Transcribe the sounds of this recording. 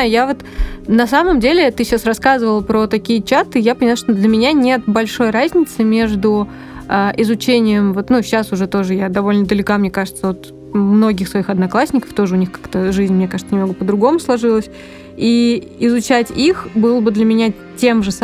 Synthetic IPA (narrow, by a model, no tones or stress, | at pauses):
ʊjavo̞t̪nɐsaməmdʲelʲɪt̪ɨɕasrɐskazɨvəlˠpɾot̪ɐkʲijət͡ɕat̪ɨjapənʲɪlˠaʂt̪od̪lʲəmʲɪnʲanʲe̞t̪̚bɐlʲʂo̞jrazʲnʲɪt̪sɨmʲe̞ʐd̪ʊ | aʔɪzʊt͡ɕenʲɪjəmvo̞t̪nuɕːasʊʐɛt̪o̞ʐɨjad̪ɐvo̞lʲnəd̪əlʲɪkamnʲe̞kaʐɨt̪səvo̞t̪ | mno̞ɡʲɪxsvɐixɐd̪nɐklˠasʲnʲɪkə̥ft̪o̞ʐɨʊnʲixkḁkt̪əʐɨzʲnʲmnʲe̞kaʐɨt̪sənʲɪmnoɡəpəd̪ɾʊɡo̞mʊslˠɐʐɨlˠəsʲ | i | ɪzʊt͡ɕætʲixbɨlˠəbɨd̪lʲəmʲɪnʲa | tʲe̞mʐɨs